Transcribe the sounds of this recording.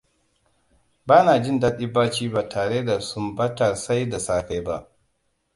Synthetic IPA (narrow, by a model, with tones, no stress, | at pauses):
baː˦naː˨d͡ʒɪ˦˨nda˦ɗi˦baː˦t͡ʃiː˦baː˨tʰaː˨ɽeː˦da˨sʊ˦mbɐ˦tɐ˨rsa˦jda˨saː˦ka˦jba˦ʔ